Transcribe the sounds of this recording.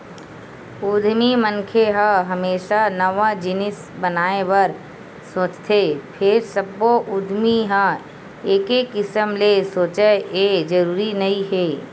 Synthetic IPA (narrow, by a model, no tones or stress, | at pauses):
ʊd̪ʱmiməŋkʰeɦə̃ɦɐmeːʃanəʋãd͡ʒɪnɪs | bənaːeʋəɾ | soːt͡ʃt̪ʰepʰɪɾsəbːoʔʊd̪ʱmiɦã | eːkekɪsəmlesoːt͡ʃeed͡ʒəɾuːɾinɐɦĩɦeː